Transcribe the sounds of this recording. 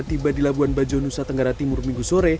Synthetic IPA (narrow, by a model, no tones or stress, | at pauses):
t̪ibadilabuanbad͡ʒonusat̪əŋɡaɾat̪imʊrmiŋɡusoɾe